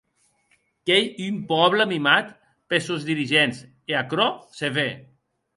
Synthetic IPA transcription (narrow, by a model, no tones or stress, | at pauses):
kejympɔβləmimat̪ | pesozðiɾiʒens | eakɾɔseβe